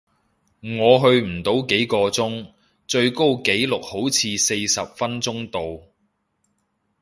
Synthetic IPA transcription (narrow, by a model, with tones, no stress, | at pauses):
ŋɔː˨˧ɦɵ˧ɥm̩˨˩t̪o˨˥wke˨˥jkɔː˧t͡sʊ˥ŋ | t͡sɵ˧ɥko˥wke˨˥jlʊ˨k̚ho˨˥wt͡sʰiː˧se˧jsɐ˨p̚fɐ˥nt͡sʊ˥ŋt̪o˨w